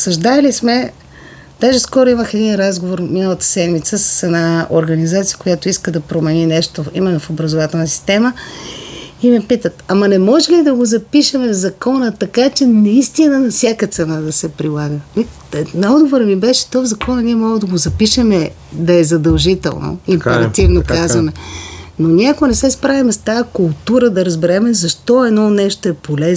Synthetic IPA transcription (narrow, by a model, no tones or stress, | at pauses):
sɐʒd̪aɛlismɛ | d̪̥aʒɛskɔɾoiməxɛd̪inɾazɡovoɾminəlˠət̪ə̥sɛd̪mit̪səsə̥sɛnao̰ɾɡɐnizat̪sijə̥kojat̪oiskəd̪ɐpɾomɛninɛʃt̪oimɛnːofobɾɐzovat̪ɛlˠnəsi̥st̪ɛmə | imɛpit̪ət̪ɐmɐnɛmɔʒɛlid̪ɐɡozɐpiʃɐmɛvzɐkɔnət̪ɐkat͡ʃɛnɐist̪inənɐfsʲjakət̪sɛnad̪ɐsɛpɾilˠaɡəmi | nɐɔd̪ɡovoɾəmibɛʃɛ̥t̪ovzɐkɔnəniɛmɔɡəd̪ɐɡozɐpiʃəmɛ | d̪ɐɛzɐd̪ɐlˠʒit̪ɛ̰lˠno̰impɛɾɐt̪ivnokazvɐmɛnonʲiɛɐkonɛsɛspɾavimɛst̪ajəkʊlˠt̪uɾəd̪ɐɾəzbɛɾɛmɛzɐʃt̪ɔɛd̪nɔnɛʃt̪oɛpolɛz